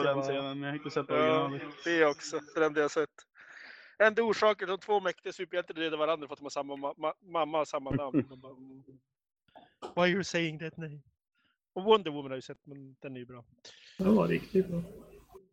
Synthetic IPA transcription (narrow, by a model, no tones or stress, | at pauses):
pɔd̪ɛnseːnənmjahɪnt̪əsɛt̪̚ːɑːd̪̥ɛɾɔksɔfɔd̪ɛnd̪ɛjasɛt̪ː | ɛnd̪ɔuːʂɑːkəd̪ɔmt̪ʰvoːmɛkt̪ɪɡasʉːpjaɪnt̪əd̪ɾeːd̪əvaɾand̪ɾafɔat̪hɔmhasamːaaamamːasamːanamnd̪ɔbaː | wajɔsejɪŋd̪æt̪nɛɪm | ɔwɔnd̪əwɪmːənhajʉsɛt̪ːmɛnd̪̥ɛnæjʉbɾɑː | d̪ɛva̰ɾɪkt̪ɪɔ